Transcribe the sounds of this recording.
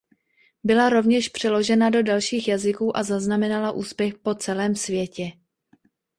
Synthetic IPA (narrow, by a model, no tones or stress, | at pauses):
bɪlaɾo̞vɲɛʃpr̝̥ɛlo̞ʒɛnado̞dalʃiːxjazɪkuːʔazaznamɛnalaʔuːspjɛxpo̞t͡sɛlɛːmsvjɛcɛ